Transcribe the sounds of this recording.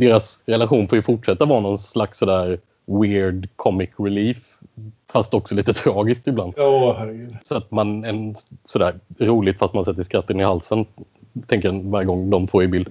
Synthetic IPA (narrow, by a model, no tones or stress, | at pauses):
d̪eːɾasɾɛlaɧuːnfoːjɵfʊʈʂɛt̪ːavɑːɾanɔnslaksːɔd̪æːɾ | wɪɾɖkʰɔmːɪkɾɪliːfː | ast̪ɔksɔliːt̪ət̪ʰɾɑːɡɪst̪ɪbland̪hæɾsɔat̪manɛnsɔd̪æːɾɾuːlɪt̪fast̪mansɛt̪ːəʂkɾat̪ːənɪhalsənt̪ʰɛŋkəɾnvaɾjəɡɔŋːd̪ɔmfoːɾjɪbɪld̪